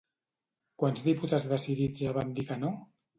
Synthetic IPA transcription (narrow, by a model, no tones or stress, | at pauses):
kwanzðiput̪azðəsiðid͡zʒaβamd̪ikəno